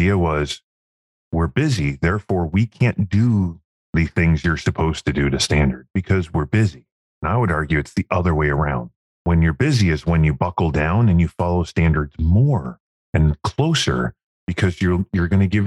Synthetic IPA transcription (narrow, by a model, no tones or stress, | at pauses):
iɨwʌz̥ | wɪɹbɪziðɛɹfɔɹwikʰæ̃nd̥ɨ | ðɨθɪ̃ŋzjə˞sɨpʰoʊz̥tɨdɨɾɨstæ̃ndə˞d̚bɨkʰʌzwɪɹbɪzi | ɨ̃naɪwəɾɑɹɡjʉɨtsðiʔʌðə˞weɪə˞ãʊ̃nd̥̚ | wɨ̃njə˞bɪziɨzwə̃njɨbʌkl̩ˠdãʊ̃nɨ̃njɨfɑlˠoʊstæ̃ndə˞dzmɔɹ | ɨ̃nkʰl̥oʊsə̰˞ | b̥ɨkʰʌzjə˞jə˞ɡʌñɨɡɪv